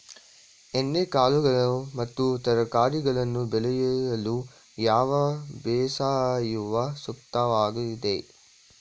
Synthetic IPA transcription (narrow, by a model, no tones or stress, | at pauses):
enːekaːluɡɐɭɐmɐt̪ːut̪ɐɾɐkaːɾiɡɐɭɐnːubɛlɛjɐjɐlu | jaːʋɐbeːsaːjuʋɐsukt̪aʋaːɡuid̪e